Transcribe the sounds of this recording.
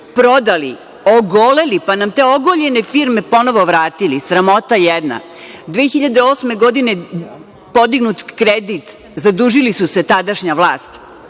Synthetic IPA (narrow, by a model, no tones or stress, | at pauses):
pɾo̞d̪alḭ | oɡole̞lipanamt̪eːo̞ɡoʎe̞nefiɾme̞po̞no̞ʋo̞ʋɾaːt̪ilisɾamo̞t̪ajɛd̪na̰ | d̪ʋeːxiʎad̪eoːsme̞ɡo̞d̪ine | po̞d̪iɡnut̪kɾed̪it̪ | zad̪uːʒilisuse̞t̪ad̪aʃɲaʋlˠaːst̪